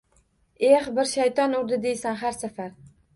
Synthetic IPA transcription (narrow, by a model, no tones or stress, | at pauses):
ehbɪɾʃajt̪ʰɒnʊɾd̪ɪd̪ejsanɦaɾsafaɾ